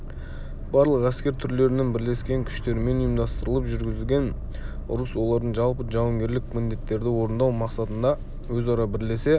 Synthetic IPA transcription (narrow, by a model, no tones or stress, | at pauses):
b̥ɑɾlˠəqæskʲe̞ɾt̪ʰʏɾle̞ɾɪnenbɪɾle̞skʲe̞ŋkʲʰʏ̥ʃt̪e̞ɾme̞nijəmd̪ɑst̪əɾəlˠəpʒʏɾɡʲɪzɪlʲɡʲe̞n | ʊ̰ɾəswo̞lˠɑɾd̪əɴʒɑlˠpəʒɑwŋɡʲe̞ɾlɪkmɪnd̪e̞t̪ːe̞ɾd̪ɪwo̞ɾənd̪ɑwmɑqsɑt̪ənd̪ɑ | wɵzɑɾɑbɪɾle̞se̞